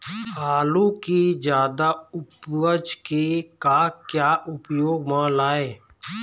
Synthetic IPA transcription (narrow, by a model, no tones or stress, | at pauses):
haːlũkid͡ʒjaːd̪aʊpwəd͡ʒkekakjaːʔʊpjoːɡmãlaːeː